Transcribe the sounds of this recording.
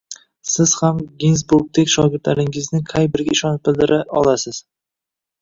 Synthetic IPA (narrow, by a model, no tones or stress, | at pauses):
sɪz̥hamɡʲinsbʊk̚t̪ʰekʲʃɒɡʲɪɾt̪laɾɪŋɪznɪqʰɑjbɪɾɡʲaɪʃɒnɪp̚bɪld̪ɪɾʔaɒ̰lˠasɪz̥